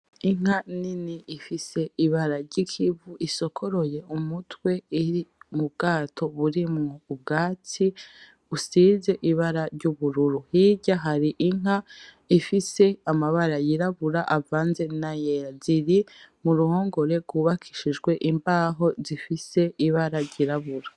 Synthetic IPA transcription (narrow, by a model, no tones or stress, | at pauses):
iŋ̥haniniifise̞iβaɾaɾɟikʰivuʔiso̞kʰo̞ɾo̞je̞ʔumutwe̞iɾimubɡaːtʰo̞βuɾimŋoub̚ɡaːt͡si | usiːze̞ʔiβaɾaɾɟuβuɾuɾuhiɟaɦaɾiʔiŋ̥ɦa | ifise̞amaβaɾajiɾaβuɾaʔavaːnze̞najeaziɾimuɾuho̞ːŋɡo̞ɾe̞ɡwuːβakʰi̥ʃid͡ʒɡwe̞ʔimbaːɦo̞zifise̞iβaɾaɾɟiɾaβuɾa